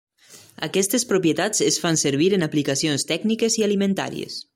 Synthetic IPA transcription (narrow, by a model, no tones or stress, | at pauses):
a̰kɛst̪espɾopjet̪at͡sesfanseɾβ̞iɾenaplikasionst̪ɛɡnikezialimẽnt̪a̰ɾḭḛs